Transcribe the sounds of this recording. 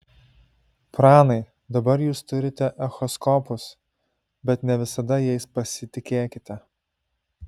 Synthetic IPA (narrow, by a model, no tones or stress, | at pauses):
pɾɑːnɐɪ | d̪ɐbɐɾjuːst̪ʊɾʲɪt̪ʲɛʔɛxɔskɔpʊs | bʲɛt̪nʲɛʋʲɪsɐd̪ɐjɛɪspɐsʲɪt̪ʲɪkʲeːkʲɪt̪ʲɛ